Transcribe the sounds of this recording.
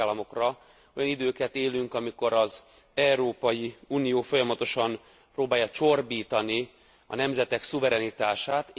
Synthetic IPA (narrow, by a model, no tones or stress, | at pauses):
lːɒmo̞krɒ | o̞jɒnid̪øːkɛt̪eːlyŋkɒmiko̞ɾɒz | ɛuɾoːpɒjiuːnijoːfo̞jɒmɒt̪o̞ʃɒm | proːbaːjːɒt͡ʃo̞rbiːt̪ɒni | ɒ̰nɛmzɛt̪ɛksuvɛɾɛnit̪aːʃaːt̪